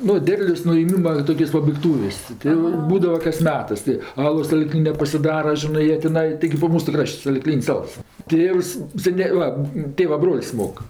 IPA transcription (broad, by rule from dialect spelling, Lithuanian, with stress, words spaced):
ˈnʊ ˈdʲɛrʲlʲoːs nʊeːˈmʲiːmɐ ˈtoːkʲoːs pɐbɐɪkˈtuːʋʲeːsʲ ˈtʲɪ joː ˈbuːdɐʋɐ kɐs ˈmʲæːtɜs tɜ ˈɑːlˠoːs sɐˈlʲiːklʲɪnʲɛ pɐsʲɪˈdɑːrɐ ˈʒʲɪnɜ ˈjiɛ tʲɪˈnɐɪ tʲɪˈɡʲɪ ˈbuːʋɐ ˈmuːsʊ ˈkrɐʃʲtʲ sɐlʲɪˈklʲiːnʲsʲ ˈɐlˠs ˈtʲeːws sʲɛˈnʲeː ˈʋɐ ˈtʲeːʋɐ ˈbroːlʲsʲ ˈmoːk